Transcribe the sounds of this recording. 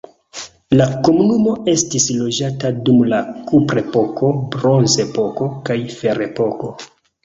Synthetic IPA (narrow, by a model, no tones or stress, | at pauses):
lako̞munumo̞e̞stislo̞d͡ʒatadumlakupɾe̞po̞kʰo̞bɾo̞nze̞po̞ko̞kajfe̞ɾe̞po̞ko̞